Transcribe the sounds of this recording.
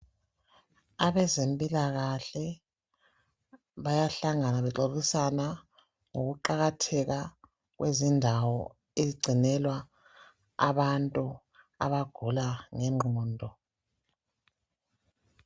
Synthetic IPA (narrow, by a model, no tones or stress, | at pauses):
aβɛzempʼilaɣaɬɛ | βajaɬaŋanaβɛǁoβisana | ŋoɣuǃaɣatʰɛɣa | ɣwʔezindʱawɔ | eziɡ͡ǀʱinɛlwa̰ː | βantʼu | a̰βaɡ̥ʱulaŋɛŋ͡ǃʱuːndʱɔ